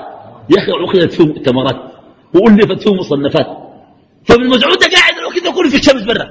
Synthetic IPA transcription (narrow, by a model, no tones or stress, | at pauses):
jaxiʕʊxɪd̪at̪suːmt̪ːamɑɾˤɑːt̪ | wɪʔuːlːiːfat̪suːmːʊsˤɑnːafaːt̪̚ | famɪlmas̬ʕuːd̪aɡaːʕɪd̪alwakid̪akuːlfiʃːamsbɪrːɑ̰